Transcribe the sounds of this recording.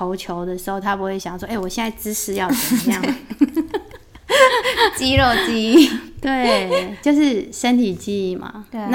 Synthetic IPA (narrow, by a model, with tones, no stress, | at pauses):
o˧˦ʊt͡ɕʰjo˧˦ʊd̪ə˨ʂɻ̩˧˦˥xo˥˩ʊt̪ʰa˦˥pu˧˥xwe˥˩ɪɕjɑ˨˩ŋswɔ˥e˥˩wɔ˨˩ɕjɛ˥˧na˥˩ɪʈ͡ʂɻ̩˥ʂʰɻ̩˧˥jɑ˥˩ʊt͡sə˨˩mə˦jɑ˥˩ | t͡ɕi˦ɻo˥˩ʊt͡ɕi˥t̪we˥˩ɪt͡ɕjo˥˧ʊʂɻ̩˥˩ʂə˦nt̪ʰi˨˩t͡ɕi˥˩ma̰˩na˥